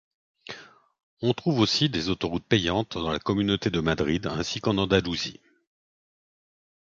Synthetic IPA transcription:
ɔ̃t̪χuvosid̪ezot̪ɔʁut̪̚pɛjɑ̃t̪d̪ɑ̃lakɔmynot̪ed̪əmad̪ʁid̪ɛ̃sikɑ̃nɑ̃d̪aluzḭ

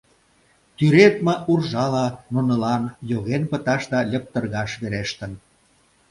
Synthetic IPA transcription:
t̪yɾet̪məʔurʒɑlɑnunə̆lɑnjoɣenpə̆t̪ɑʃd̪ɑlʲə̆p̚t̪ə̆rɣɑʃβeɾeʃt̪ə̆n

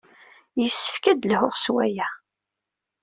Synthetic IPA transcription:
jəsːə̥fkæd̪ləhʊʁswæjæ

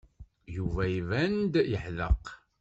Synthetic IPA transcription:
juvæivænd̪jəħðə̰q

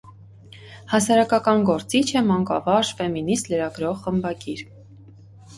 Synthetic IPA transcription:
hɑsɑɾɑkɑkɑnɡɔɾt͡sit͡ʃʰɛmɑŋkɑ̰vɑʒfɛminisləɾɑɡɾɔʁχəmbɑɡiɾ

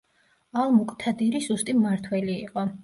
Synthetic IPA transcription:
alˠmukʼt̪ʰad̪iɾizust̪ʼimaɾt̪ʰwɛliːqʼɔ

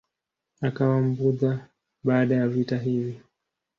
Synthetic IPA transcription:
akawam̩buða | ɓaːɗajavitaɦivi

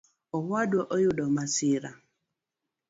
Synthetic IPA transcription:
ɔhadɔʔojʊdɔmasiɾa

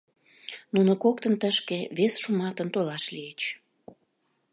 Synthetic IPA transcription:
nunŏkok̚t̪ənt̪əʃkeβesʃumɑt̪ənt̪olɑʃliet͡ɕ

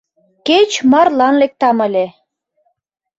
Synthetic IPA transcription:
ket͡ɕmɑrlɑnlek̚t̪ɑmə̆lʲe

